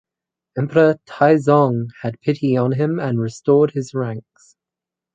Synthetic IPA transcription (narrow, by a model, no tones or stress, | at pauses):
ɛ̃mpʰəɹətʰaɪzɒ̃ŋəd̚pʰɪtʰiə̃nɪ̃mə̃nɹɪstɔːd̚ɪzɹãŋks